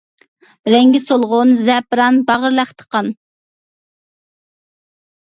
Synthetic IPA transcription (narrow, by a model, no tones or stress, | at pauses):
ɾɛŋɡʲɛsolˠʁʊnzɛpɾɑnbɑʁəɾlæχt̪ʰə̥qɑn